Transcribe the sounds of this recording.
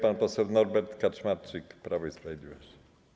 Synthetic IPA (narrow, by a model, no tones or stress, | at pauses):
panpɔsɛwnɔɾbɛɾt̪kat͡ʂmaɾt͡ʂɘkpɾavɔispɾavʲed̪lʲivɔɕt͡ɕɛ̥